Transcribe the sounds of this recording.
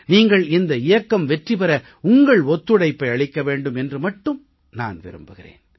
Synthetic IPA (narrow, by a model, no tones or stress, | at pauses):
niːŋɡɐɭɪnd̪ɐɪjɐkːɐmʋɛʈripɐɾɐ | ʊŋɡɐɭɔt̪ːɯɽɐɪpːɐɪɐɭɪkːɐʋeːɳɖɯmɛndrɯmɐʈːɯm | na̰ːnʋɪ̰ɾɯ̰mbɯɣɪrḛːn